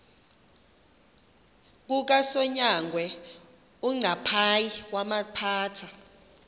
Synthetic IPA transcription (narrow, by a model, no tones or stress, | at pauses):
k̬ʼuk̬asɔɲaŋɡʱwɛ | uŋ͡ǀapʰajiwamapʰaːtʰa